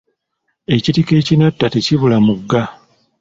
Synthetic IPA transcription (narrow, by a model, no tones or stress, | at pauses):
e̞citike̞ːcinatːateciβulamuɡːa